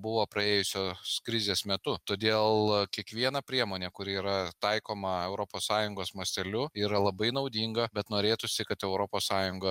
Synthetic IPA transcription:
bʊʋoːpɾɐeːjʊsʲoːskɾʲɪzʲeːsmʲɛt̪ʊt̪oːd̪ʲeːlˠkʲiɛkʋʲiɛnɐpʲɾʲiɛmoːnʲekʊɾʲɪiːɾɐt̪ɐɪkoːmɐɛʊɾoːpoːssɑːjʊŋɡoːsmoːsʲt̪ʲɛlʲʊiːɾɐlˠɐbɐɪnɐʊd̪ʲiːŋɡɐbʲɛt̪noːɾʲeːt̪ʊsʲɪkɐt̪ɛʊɾopoːssɑːjʊŋɡɐ

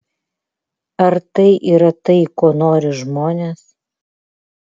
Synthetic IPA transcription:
ɐɾt̪ɐɪʔiːɾɐt̪ɐɪkoːnoːɾʲɪʒmoːnʲeːs

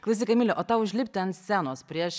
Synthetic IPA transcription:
klˠɐsʲɪkɐmʲɪlʲɛʔoːt̪ɑʊʒʲlʲɪpʲt̪ʲɛɐnsʲsʲænoːspʲɾʲiɛʃ

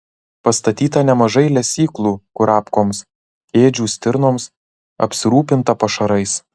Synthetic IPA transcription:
pɐst̪ɐt̪ʲiːt̪ɐnʲɛmɐʒɐɪlʲɛsʲiːklˠuːkʊɾɑːpkoːms | eːd͡ʒʲuːsʲt̪ʲɪɾnoːms | ɐ̰pʲsʲɪɾuːpʲɪnt̪ɐpɐʃɐɾɐɪs

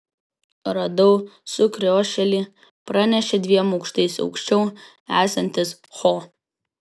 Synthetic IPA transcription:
ɾɐd̪oʊsʊkɾʲoːʃʲɛlʲiː | pɾɐnʲɛʃʲɛd̪ʲʋʲiɛmoʊkʃt̪ɐɪsɒ̰ʊkʃʲt͡ʃʲɛʊ | æːsɐnʲt̪ʲɪs | χoː

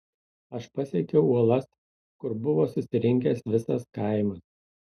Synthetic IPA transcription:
ɐʃpɐsʲiɛkʲɛʊuɔlˠɐs | kʊɾbʊʋoːsʊsʲɪɾʲɪŋʲkʲɛsʋʲɪsɐskɐɪmɐs

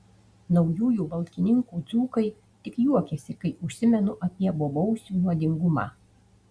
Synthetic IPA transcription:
nɒʊjuːjuːbɐlˠʲkʲɪnʲɪŋkuːd̪zuːkɐɪ | t̪ʲɪkjuɔkʲɛsʲɪkɐɪʊʃʲsʲɪmʲɛnʊʔɐpʲiɛbobɔʊsʲuːnuɔd̪ʲɪŋɡʊmɑ̰ː

